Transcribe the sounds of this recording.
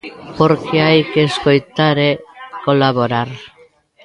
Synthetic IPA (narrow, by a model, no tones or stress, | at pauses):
poɾkeajkeskojt̪aɾekolaβoɾaɾ